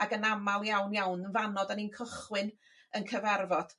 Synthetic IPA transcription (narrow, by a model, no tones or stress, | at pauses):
aɡənamalˠjawnjawnvanɔdaninkʰəχwɨn | ənkʰəvɛrvɔd̥